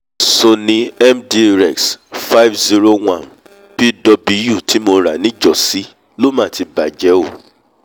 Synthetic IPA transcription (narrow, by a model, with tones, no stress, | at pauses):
so˧nĩ˦ɛ˦mdi˦˧ɾɛ˨ksfa˦jfzi˦ɾo˦w̃ã˦˨ | pi˦dɔ˧bi˧˦ju˦˨tʰi˨˦mo˧ɾa˨nĩ˦d͡ʒɔ˨si˨˦ | lo˦mã˦˨ti˧ba˨d͡ʒɛ˨˦o˦˨